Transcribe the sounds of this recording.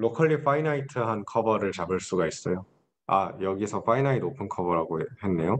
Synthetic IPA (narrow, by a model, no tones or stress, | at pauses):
lokʰaʎːifʰainaitʰɯɦankʰʌbʌɾɯɭt͡ɕabɯɭs͈uɡais͈ʌjo | a̰jʌɡisʰʌfʰainaidopʰɯnkʰʌbʌɾɦaɡohe̞nːe̞jo